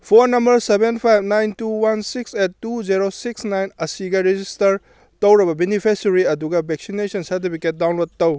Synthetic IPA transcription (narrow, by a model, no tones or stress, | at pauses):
pʰoɾnɐmbɐɾsebenpʰajbnajntuwansiksetːud͡ʒiɾosiksnajnɐsiɡɐɾed͡ʒistɐɾ | tɐwɾɐbɐbenipʰesɾiɐduɡɐbʱeksinesɐnsɐɾt̬ipʰiket̚dawnlod̚tɐw